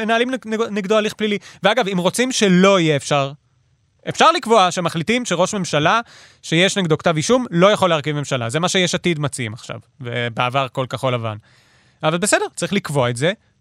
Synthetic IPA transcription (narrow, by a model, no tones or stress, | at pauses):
me̞naalimnneɡdoaliχpliliveaɡavimʁo̞t͡simʃe̞lo̞ijeːfʃaʁ | ʔefʃaʁlikvo̞aʃemaχlitimʃeʁo̞ʃme̞mʃala | ʃe̞jeʃneɡdokt̪aviʃumlo̞jaχo̞leaʁkivme̞mʃala̰zemaʃejeʃatidmat͡simaχʃa̰vvebeavaʁko̞lkaχo̞lava̰n | avalbe̞se̞de̞ʁtt͡saʁiχlikvo̞aetze̞